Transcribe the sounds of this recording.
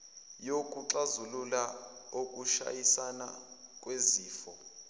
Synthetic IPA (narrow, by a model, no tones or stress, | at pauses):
jokʼuǁazululaokʼuʃa̰jisana̰kʼweziːfɔ